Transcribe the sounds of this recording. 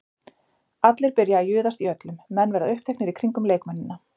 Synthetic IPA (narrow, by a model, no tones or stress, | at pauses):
at̪lɪɾ̥pɪɾjaːjʏːðast̪iœt̪lʏmːɛnːvɛɾðaðʏhp̚t̪ʰɛhknɪɾikʰɾiŋkʏmleːjkmanːɪnːa